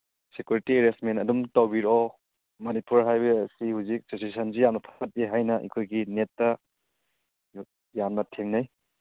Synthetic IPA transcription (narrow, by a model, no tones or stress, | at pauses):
sekjuɾitieɾesmentɐdumtɐwbiɾɔ | mɐnipuɾɦajbeɐsihuzik̚sesisʰɐnzijamnɐpʰḁsʰɐt̚iɦajnɐʔḭkʰojɡinetːɐ | janmɐtʰeŋnaj